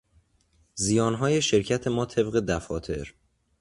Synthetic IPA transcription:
zijɒːnɦɒːje̞ʃe̞ɾcʰæt̪ʰe̞mɒːt̪ʰe̞bɣe̞d̪æfɒːt̪ʰe̞ɾ

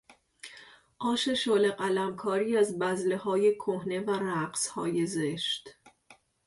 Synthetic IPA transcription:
ʔɒːʃe̞ʃoːle̞ɢælæmkʰɒːɾiːæzbæzle̞hɒːje̞kʰohne̞væræɢshɒ̰ːje̞zeʃt̪

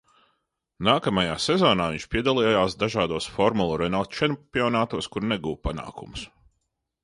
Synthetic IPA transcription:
naːkamajaːsɛzɔːnaːviɲʲt͡ʃpʲiɛd̪alˠijjaːsd̪aʒaːd̪uɔsfɔɾmulˠuɾɛnalˠt͡ʃɛnpʲiɔnaːt̪uɔskuɾnɛɡuːwpana̰ːkumus

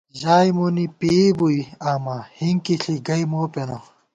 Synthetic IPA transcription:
ʑaːjmonipibuiaːmahiŋkiɬiɡɐjmoːpeno

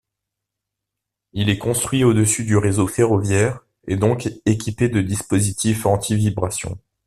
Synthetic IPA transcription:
ilɛkɔ̃st̪χɥiod̪əsyd̪yʁezofeʁɔvjɛʁ | ed̪ɔ̃kekʲiped̪əd̪ispozit̪ifɑ̃t̪ʰivibʁasjɔ̰̃

